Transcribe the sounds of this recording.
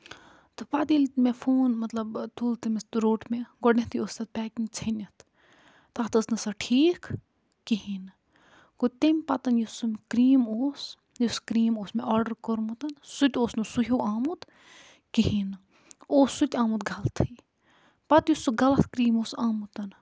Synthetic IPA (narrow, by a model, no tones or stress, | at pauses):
t̪ɨpad̪ilt̪mefʰoːnmɐt̪lɐbt̪ʰuːlt̪ɐmʲest̪ɾoːʈmeɡɔɖnʲẽt̪ʰjoːst̪ɐt̪̚pʲɛːkiŋɡt͡sʰɐnʲɐt̪ | t̪aːt̪ɐsnɐsɐʈʰiːk | kːihin | kot̪emʲpɐt̪ɐnjusumkɾiːmoːs | juskɾiːmoːsmeɔːɾɖəɾkoɾmut̪ɐnsut̪ʲoːsnusuɦoːaːmut̪ | kiɦin | oːsːut̪ʲaːmut̪ɡʱɐlt̪ʰɨj | pɐt̪jusuɡɐlɐt̪kɾiːmoːsaːmut̪ɐn